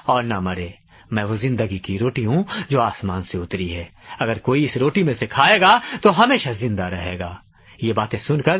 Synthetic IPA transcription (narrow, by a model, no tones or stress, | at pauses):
ɔːɾnɐmɐɾeː | mɛ̃ːʋozɪ̃nd̪əɡikiɾoːʈiɦũd͡ʒoːaːsmaːnseʊt̪ɾiɦɛːɐɡəɾkoːiɪsɾoːʈimẽsekʰaːeːɡaːt̪oɦɐmeːʃazɪ̃nd̪aɾɐɦeːɡaː | jebaːt̪ẽsʊnkəɾ